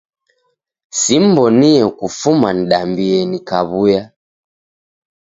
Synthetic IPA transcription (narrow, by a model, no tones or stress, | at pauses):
sim̩bɔniɛkufuman̩ɗambiɛnikaβuja